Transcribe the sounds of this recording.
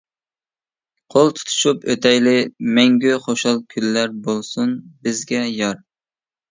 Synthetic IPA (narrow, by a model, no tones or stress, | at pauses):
qʰolˠt̪ʰu̥t̪ʰu̥ʃupøt̪ʰɛjlɪmɛŋɡʲyχoʃɑlˠkʲʰylːæɾbolˠsunbɪzɡʲɛjɑɾ